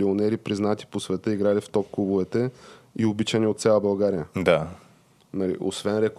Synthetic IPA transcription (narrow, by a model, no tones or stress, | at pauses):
ionɛɾipɾiznat̪i̥posvɛt̪əiɡɾalift̪ɔp̚klubuvɛt̪ɛiobit͡ʃəniot̪sʲjalˠəbɐlˠɡaɾijəd̪a | nɐlḭʔo̰svɛnɾɛk